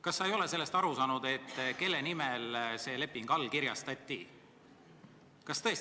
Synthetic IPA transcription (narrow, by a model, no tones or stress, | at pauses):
kɑsːɑejo̞le̞se̞lːe̞st̪ɑɾusɑːnud̪̥e̞t̪ːke̞lːenimelse̞ːle̞pːˑiŋɡ̥ɑlːkiɾjɑst̪ɑt̪ʲːi | kɑst̪ɤ̞es